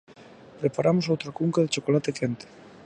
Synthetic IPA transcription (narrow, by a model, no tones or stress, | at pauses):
pɾepaɾʔamosowt̪ɾakuŋkaðet͡ʃokolat̪ekent̪e̥